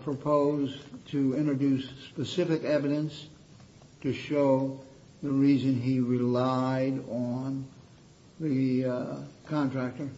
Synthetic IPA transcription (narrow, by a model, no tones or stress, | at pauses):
pʰɹ̥ɨpʰoʊztʰɨɪ̃ntɹɨdʉspɨsɪfɨkɛvɨɾɨ̃ns | tʰɨʃoʊ | ðɨɹizɨ̃niɹɪlaɪɾn̩ | ðɨ | kʰɑ̃ntʰɹ̥æk̚tə˞